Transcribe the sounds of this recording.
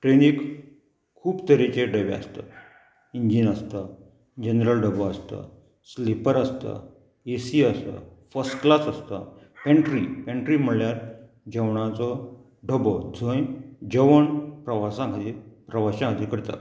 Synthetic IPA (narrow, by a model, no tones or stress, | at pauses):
ʈɾenik | kʰːuːpt̪əɾit͡ɕeɖəʋea̰st̪a | iɲd͡ʑinast̪a | d͡ʑənɾəlɖəbəəst̪a̰ | slipəɾast̪a̰ | esiəst̪a̰fəsʈklasəst̪a | pɛ̃ɳʈɾipẽɳʈɾim̤əɽljaɾ | d͡ʑəʋɳãt͡sɔ | ɖəbɔd͡zʱə̃jd͡ʑəʋəɳpɾəʋasãkʰad̪ipɾəʋaɕãad̪ʱikəɾt̪a̰